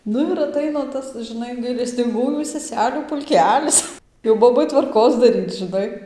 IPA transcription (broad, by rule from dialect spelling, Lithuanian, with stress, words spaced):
ˈnʊ ɪr ɐˈtɐɪnɐ ˈtɐs ʒʲɪˈnɐɪ ɡɐɪlʲɛsʲtʲɪŋˈɡuːjuː sʲɛˈsʲæːlʲuː pʊlʲˈkʲæːlʲɪs jɛʊ ˈboːbɐɪ tʋɐrˈkoːs dɐˈrʲiːt͡s ʒɨˈnɐɪ